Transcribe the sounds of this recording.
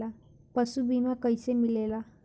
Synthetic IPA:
a | pəsubʱinakəjsemilela

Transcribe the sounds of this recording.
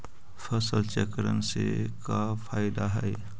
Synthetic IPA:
fʰəsəlt͡ʃɛkəɾənsḛkapʰaːɪd̪aɦɛe

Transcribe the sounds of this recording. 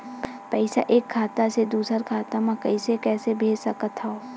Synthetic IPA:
pɛɪsa̰ʔeːkʰːaːt̪ased̪uːsəɾkʰaːt̪amãkɐɪsekɛːsebʱeːd͡ʒsɐkət̪ɦaoː

